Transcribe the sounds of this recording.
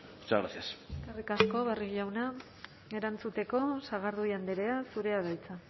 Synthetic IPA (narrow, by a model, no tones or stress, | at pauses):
ot͡ʃaɣɾasiasekarikasko̞βariɣʝawna | e̞ɾant͡sut̪e̞ko̞saɣ̞aɾðuiand̪eɾe̞asuɾe̞aðajt͡sa